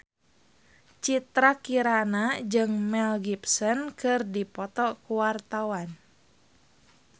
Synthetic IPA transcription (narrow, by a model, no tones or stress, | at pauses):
t͡ʃit̪ɾakiɾanad͡ʒɨŋmɛlɡipsɔnkɨrdipɔt̪ɔkuwart̪awan